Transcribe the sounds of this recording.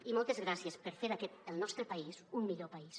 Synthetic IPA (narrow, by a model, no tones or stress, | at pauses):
imɔlˠt̪ezɣɾasjespəɾfeɾakɛt̪əlˠnɔst̪ɾəpaisummiʎopais